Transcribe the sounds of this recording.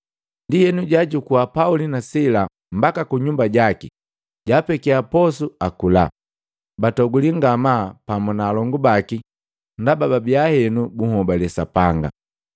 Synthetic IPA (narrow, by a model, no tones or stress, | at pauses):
ndijɛnuɟaɟukuapaulinasila | mbakakuɲumbaɟaki | ɟapɛkiapɔsuakula̰ | batɔɡuliŋɡamapamunaːlɔŋɡubaki | ndabababiahɛnubuŋhɔbalɛsapaŋɡa̰